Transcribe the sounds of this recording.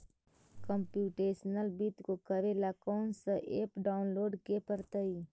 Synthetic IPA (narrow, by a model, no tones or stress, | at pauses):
kəmpjuːʈeːsnəlbit̪kokəɾelakɔːnsaʔeːpɖaːʊnloːɖkepəɾt̪əiː